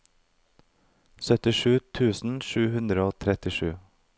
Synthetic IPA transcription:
sœt̪ɪʃʉːt̪ʰʉːsn̩ʃʉːhʉnd̪ɾəoːt̪ʰɾɛt̪ɪʃʉː

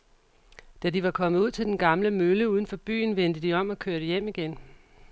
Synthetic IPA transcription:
d̥æd̥iʋɑ̈kʰɒ̽mð̩ˠuð̰ˠt͡sʰe̝ld̥enɡ̥ɑ̈mləmøləuːð̞ˠn̩fɒ̽b̥y̰ːnʋend̥əd̥iɒ̽m̰ɒ̽kʰøːɐɾəjem̰iɡ̥en

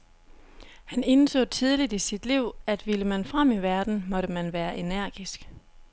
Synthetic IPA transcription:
hæne̝nso̰̽ːt͡sʰið̞ˠlid̥isid̥liʊ̰æd̥ʋiləmænfʁam̰iʋæɐd̥n̩mɒ̽ɾəmænʋæːɐʔe̝næɐ̰ɡ̥isɡ̥

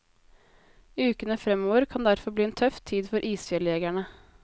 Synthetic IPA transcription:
iʉːkənəfɾɛmoːʋəɾkʰɑnd̪æɾfɔɾbliːɛːnt̪ʰœft̪ʰiːd̪fɔɾʔiːsfɛleːɡæɳə

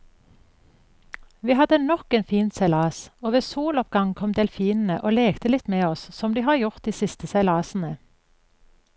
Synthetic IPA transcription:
ʋiːhɑd̪ənɔkeːnfiːnt̪sæɪlɑːsoːʋeːsuːlɔpɡɑŋkʰɔmd̪eːlfiːnn̩əʔoːleːkt̪əlɪt̪meːɔssɔmd̪iːhɑːʁjʊʁt̪̚d̪iːsɪst̪əsæɪlɑːsn̩ə

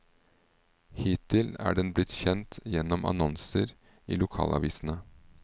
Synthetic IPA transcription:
hiːt̪ʰːɪlæ̰ːɖɛnblɪt̪çɛnt̪jɛnɔmʔɑ̰nɔnsəɾ | ḭːlʊkʰɑːlʔɑ̰ʋiːsn̩ə

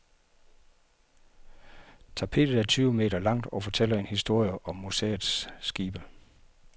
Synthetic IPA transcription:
t͡sʰɑ̈pʰe̝̰ːd̥ð̩ˠæɐt͡sʰyːʊme̝̰ːd̥ɐlɑ̈ŋ̰d̥ɒ̽fɒ̽t͡sʰel̰ɐe̝nhisd̥o̝ɐ̰jəʔɒ̽mːusḛːð̩ˠsːɡ̥iːb̥ə

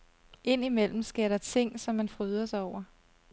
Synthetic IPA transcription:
e̝n̰imel̰m̩sɡ̥eɐ̰ɾɑ̈t͡sʰe̝ŋ̰sɒ̽mːænfʁyð̞ˠɐsaɒʊ̰ɐ

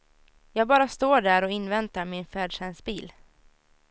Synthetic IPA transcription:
jɑːɡ̚bɑːɾast̪oːɖæɾɔɪnːvɛnt̪aɾmɪnfæːɖʂɛnsbiːl

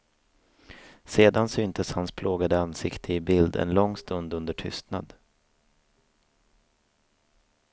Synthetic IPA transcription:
seːd̪ansyːnt̪ʰəshanspʰlʔoːɡad̪əansɪkt̪ʰəɪbɪld̪ɛ̰nlɔŋːst̪ɵnd̪ɵnd̪əʈʰʏ̰st̪na̰d̪

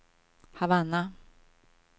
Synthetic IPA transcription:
havana

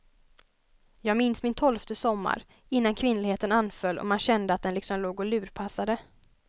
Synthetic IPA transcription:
jɑːɡmɪnsmɪnt̪ʰɔlft̪əsɔmːa̰ɾ | ɪnːankʰvɪnlɪɡheːt̪ənanːfœlːɔ̰manɕɛnd̪əat̪̚d̪ɛnlɪksɔmloːɡɔlʉ̟ːɾpʰasad̪ə

